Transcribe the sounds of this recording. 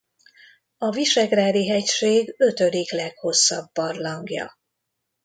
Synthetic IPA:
ɒviʃɛɡraːd̪iɦɛcʃeːɡø̞t̪ød̪iklɛkho̞sːɒbːɒrlɒŋɡjɒ̰

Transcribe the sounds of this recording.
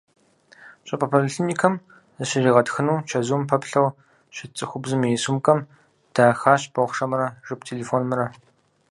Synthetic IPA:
ɕʼɐpʼɐpʰoliɬinikʰɐm | zɨɕɪriːʁɐtxɨnuːt͡ʃʰɐzuːmpʰɐpɬɐw | ɕɪt͡sʼɨxʷʊbzɨmijɛsumkʼɐm | d̥aːxaːɕb̥ɐχʷʂɐmrɐʒɨp̚tʰeːleːfoːnmɨɾɐ

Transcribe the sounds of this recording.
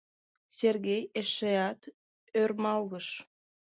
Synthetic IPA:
serɣejeʃeɑt̪ | ørmɑlɣəʃ

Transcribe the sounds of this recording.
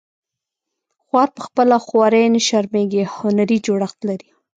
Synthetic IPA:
xwɑɾpəxpəlaxwɑɾenəʃaɾmeɡehʊnaɾid͡ʒoɽaxt̪laɾi

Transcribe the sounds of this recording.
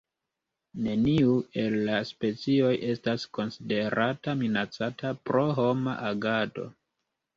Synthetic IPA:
ne̞niue̞lːaspe̞t͡sio̞jʔe̞stasko̞nside̞ɾataminat͡satʰapɾo̞ɦo̞ma̰ʔaɡado̞̰

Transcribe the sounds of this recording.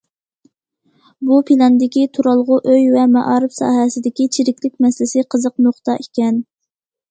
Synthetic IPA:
bupʰilˠɑnd̪ɪkʲit̪ʰuɾɑlˠʁʊʔøjvɛmɛʔɑːɾɨpsɑ̰ːɦɛsɪd̪ɪkʲit͡ʃʰiɾɪkʲlɪk̚ʲmɛsɪlɪsɪqʰəzəq̚noχt̪ɑʔikʲɛn

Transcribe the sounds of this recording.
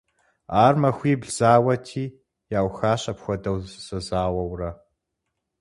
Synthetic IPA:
aːrmɐxʷiːbɮz̥aːwɐtʰiː | jaːwxaːɕɐpxʷɔdɐwsɐzaːwɐwrɐ

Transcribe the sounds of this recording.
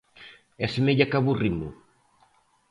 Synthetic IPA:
ɛsemeʎakaβurimṵ

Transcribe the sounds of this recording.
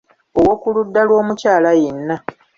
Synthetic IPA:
owo̞kuludːalwo̞ːmucaːlajenːa

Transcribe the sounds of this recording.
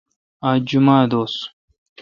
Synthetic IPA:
ad͡ʒumad̪os

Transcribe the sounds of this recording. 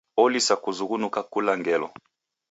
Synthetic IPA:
ɔlisakuzuɣunukakulaŋɡɛlɔ̰

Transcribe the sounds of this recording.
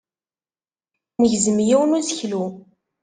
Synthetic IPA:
məʝzəmjiwənusəçlu

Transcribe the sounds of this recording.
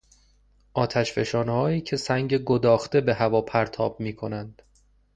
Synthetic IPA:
ʔɒːt̪ʰæʃfe̞ʃɒːnehɒːjiːcʰe̞sæŋɟe̞ɡo̞d̪ɒːxt̪e̞be̞ɦævɒːpʰæɾt̪ʰɒːb̥̚miːkʰo̞nænd̪̥

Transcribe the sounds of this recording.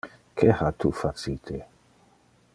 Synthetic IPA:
kʰehat̪ʰufat͡sit̪ʰe

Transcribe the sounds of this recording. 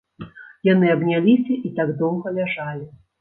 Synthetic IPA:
jan̪ɨɐbnʲalʲisʲɐʔit̪aɡd̪ɔwɣɐlʲaʐalʲi

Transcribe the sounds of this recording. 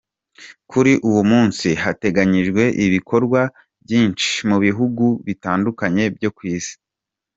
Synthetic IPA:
kʰuɾiʔuwumuːnsiɦate̞ɡaɲiʒɡwe̞ʔiβikʰo̞ɾɡwa | bjiːnt͡ʃi̥muβiɦuɡuβitaːndukaɲe̞bjo̞kwiːsi̥

